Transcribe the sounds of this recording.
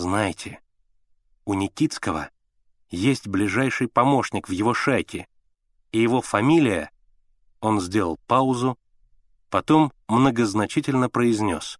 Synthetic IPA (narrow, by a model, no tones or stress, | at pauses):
znajɪtʲʰɪ | ʊnʲɪkʲit̪skəvə̰ | jesʲtʲblʲɪʐajʂɨjpɐmo̞ʂnʲɪkvjɪvo̞ʂajkʲɪ | ijɪvo̞fɐmʲilʲɪjə̰ | o̞nzʲdʲe̞lˠə̰lˠpaʊzʊ | pɐt̪o̞mːnəɡəznɐt͡ɕitʲɪlʲnəpɾəɪzʲnʲo̞̰s